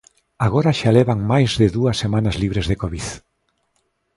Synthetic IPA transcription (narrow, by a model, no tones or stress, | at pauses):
aɣ̞oɾaʃaleβaŋmajzðeðuasːemanazliβɾezðekoβið